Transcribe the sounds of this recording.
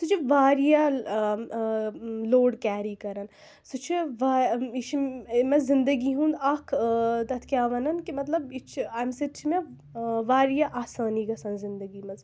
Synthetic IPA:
sut͡ʃʰiʋaːɾijaː | loːɖkʲaːɾiːkɐɾɐn | sut͡ʃʰiʋaːit͡ʃʰmɐzɪ̃nd̪əɡiɦũːnd̪ɐkʰt̪ɐt̪ʰkʲjaːʋɐnɐnkimɐt̪lɐbit͡ʃʰamset̪t͡ʃʰime | ʋaːɾijaʔaːsaːniɡɐsɐnzɪnd̪ɐɡiːmɐz

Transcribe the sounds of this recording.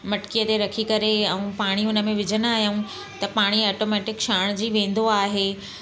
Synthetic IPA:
mɐʈkijət̪eɾɐkʰikɐɾeɛ̃ũpaːɽ̃iɦʊnə̆mẽʋɪd͡ʑʱəñaːɦijaũ | t̪ɐpaːɽ̃iaːʈomɛːʈɪkʃaːɽ̃d͡ʑiːʋẽːn̆d̪oaːɦeː

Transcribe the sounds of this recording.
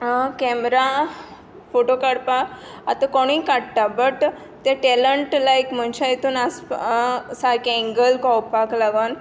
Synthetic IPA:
kɛmɾa | foʈokaɽpaːt̪akoɽ̃ikaɽt̪abəʈ | t̪jaʈɛləɳʈlajkm̤əɳt͡ɕajet̪uːnas | saɾkɛ̃ŋɡəlkɔwpaklaɡən

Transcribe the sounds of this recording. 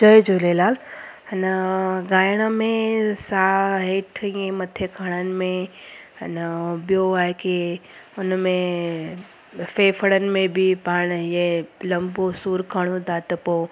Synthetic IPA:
d͡ʒəjd͡ʒolelaːlənɡaːjɽ̃əmẽsaɦeːʈʰẽmɐt̪ʰekʰaːɽ̃ənɪ̆mẽənbɪjoaːekiʊnmẽ | feːfʰəɽənɪ̆mẽbʱipaːɳ̃jeləmbosuːɾkʰaɽ̃ũd̪aːt̪əpo

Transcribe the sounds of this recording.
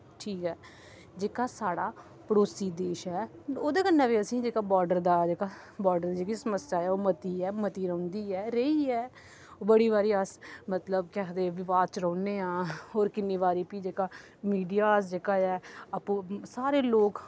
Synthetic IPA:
ʈʰiːkɦɛː | d͡ʒeːkaːsaːɽaː | pəɽoːsiːd̪eːʃɦɛːoːd̪eːkənːɛ̃ːʋiːəsĩːd͡ʒeːkaːbɔːɾɖəɾd̪aːd͡ʒeːkaː | bɔːɾɖəɾd̪iːd͡ʒeːkisəməsjaːɛːoːmət̪iːɛːmət̪iːɾəʊ̃ːnd̪iːɛːɾəiːɛː | bəɽiːβaːɾiːəsmət̪ləb̚kɛːd̪eːʋɪʋaːd̪̚t͡ʃɾə̃ːneːãːɦoːɾkɪnːĩːbaːɾiːpiːd͡ʒeːkaː | miːɖijaːsd͡ʒeːkaːɛːəpũːsaːɾeːloːk

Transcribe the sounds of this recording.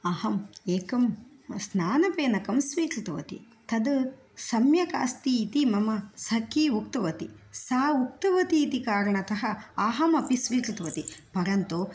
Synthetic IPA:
ɐhɐmeːkɐmsnaːnɐpeːnɐkɐmsʋiːkɾit̪ɐʋɐ̰t̪ḭ | t̪ɐd̪ | sɐmjɐka̰ːst̪iːt̪imɐmɐsɐkiːukt̪ɐʋɐt̪ḭsaːuk̚t̪ɐʋɐt̪iːt̪ikaːɾɐɳɐt̪ɐɦɐaːɦɐmɐpisʋiːkɾit̪ɐʋɐt̪ipɐɾɐnt̪o

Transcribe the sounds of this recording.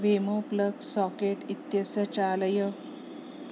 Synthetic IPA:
ʋemopləɡsɔkeʈit̪jəsət͡ɕaləjə

